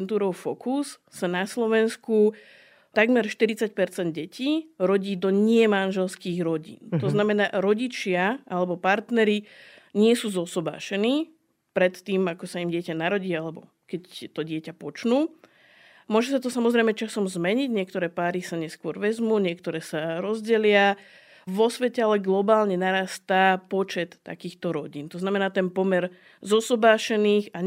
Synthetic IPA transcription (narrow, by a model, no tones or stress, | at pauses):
nt̪uːɾɔʊfɔkus | sanaslɔʋɛnsku | t̪aɡmɛɾʃt̪iɾit͡sac̚pɛɾt͡sɛnd̪̚ɟɛcʰiːɾɔɟiːd̪ɔɲɪɛmanʒɛlskiːɣɾɔɟḭːnt̪ɔznamɛna̰ːɾɔɟit͡ʃɪaalɛbɔpaɾt̪nɛɾi | ɲɪɛsuːzɔsɔba̰ːʃɛniː | pɾɛt̪ːiːmakɔsaimɟɪɛcanaɾɔɟiːalɛbɔ | kɛct̪ɔɟɪɛcapɔt͡ʃnuː | mʊɔʒɛsat̪ɔsamɔzɾɛɪmɛt͡ʃasɔmzmɛɲiɟɲɪɛk̚t̪ɔɾɛːpaːɾisaɲɛskʊɔɾʋɛzmuːɲɪɛkt̪ɔɾɛːsaɾɔzɟɛlɪa | ʋɔsʋɛcɛalɛɡlɔbaːlɲɛnaɾaːst̪apɔt͡ʃɛt̪ːa̰kiːxt̪ɔɾɔɟiːnt̪ɔznamɛnaːt̪ɛnpɔmɛɾ | zɔsɔbaːʃɛniːɣa